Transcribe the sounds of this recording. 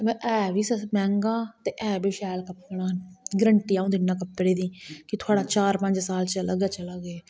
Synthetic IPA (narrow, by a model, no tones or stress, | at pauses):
ʔɛːʋiːsəmɛ̃ːŋɡaːt̪eːʔɛːbiːʃɛːlkəpːɳaːɦənɡəɾəɳʈiːaːũːd̪ɪnːãːkəpːɽeːd̪iːkɪt̪ʰʊaːɽaːt͡ʃaːɾpəɲd͡ʒsaːlt͡ʃələɡɛːt͡ʃələɡeː